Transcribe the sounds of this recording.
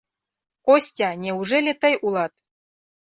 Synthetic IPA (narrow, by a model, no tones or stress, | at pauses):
kosʲtʲɑnʲeuʐelʲĕt̪ɤ̆jʔulˠɑt̪̚